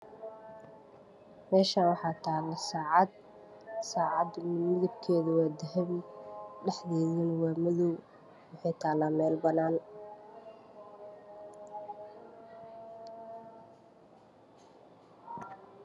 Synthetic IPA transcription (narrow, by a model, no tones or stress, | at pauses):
mɛːʃaːnwɑħɑːt̪ʰaːlɐsaːʕɑd̪̚ | saːʕɑd̪mɪðɐb̚kʰɛːðʊwaːd̪ɐɦɛmɖɛħðɛːðɪnwaːmɪðɔw | wɑħɑjt̪ʰaːlaːmɛːlbɐnaːn